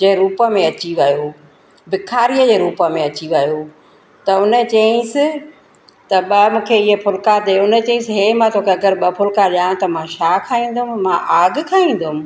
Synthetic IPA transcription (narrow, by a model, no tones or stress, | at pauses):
d͡ʑeːɾuːpə̆mẽɐt͡ɕiʋɐjo | bɪkʰaːɾijəd͡ʑeːɾuːpəmẽɐt͡ɕiʋɐjo | t̪ɐʊnət͡ɕɐɪ̃sɪ̆ | t̪ɐɓɐmũːkʰeɪɦepʰʊlkad̪eʊnt͡ɕɐ̃ĩsɦeːmãt̪ʰoːkʰeɐɡəɾɓɐpʰʊlkaɗãːɽ̃t̪ɐmãʃaːkʰaːĩːn̆d̪ʊɦʊmmãʔaːɡkʰaːĩːn̆d̪ʊʊmɪ̆